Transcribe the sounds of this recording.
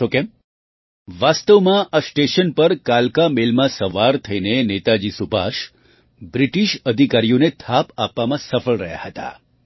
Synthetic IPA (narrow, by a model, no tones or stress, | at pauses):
okɛ̃m | ʋast̪əʋmãʔasʈeʃənpəɾkalkamelmãsəʋaɾt̪ʰəinenet̪ad͡ʒisuba̰ʃ | bɾiʈiʃəd̪ʱikaɾijonet̪ʰapapːamãsəfəɭɾəɦja̰ɦət̪a̰